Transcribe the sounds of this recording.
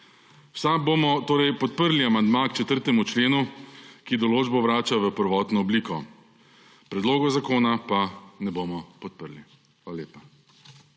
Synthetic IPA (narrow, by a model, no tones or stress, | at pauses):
wsabomɔt̪oːɾɛjpɔt̪̚pəɾliamand̪makt͡ʃɛt̪əɾt̪ɛmut͡ʃleːnukid̪ɔloːd͡ʒbɔʋɾaːt͡ʃaʋəpəɾʋɔːt̪nɔɔbliːkɔ | pɾɛd̪loːɡɔzakoːnapanɛbomɔpɔt̪̚pəɾli | xʋaːlaleːpa